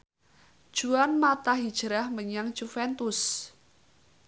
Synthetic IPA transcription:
d̥ʒ̥uanmat̪ahid̥ʒ̥əɾahməɲaŋd͡ʒ̥ufɛnt̪ʊs

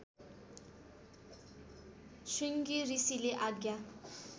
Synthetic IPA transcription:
ʃwiŋɡirisileʔaɡja

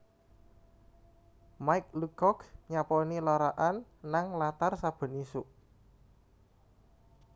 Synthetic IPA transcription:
majk̚lukɔkɲapɔnilɔɾaʔanːaŋlat̪arsab̥ə̤nisuʔ

